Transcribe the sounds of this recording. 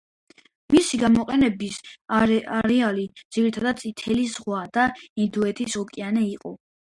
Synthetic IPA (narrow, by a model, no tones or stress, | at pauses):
misiɡamɔqʼɛnɛbis | aɾɛalid̪z̥iɾit̪ʰad̪at̪sʼit̪ʰɛlizʁwad̪aind̪uɛt̪ʰisɔkʼianɛiqʼɔ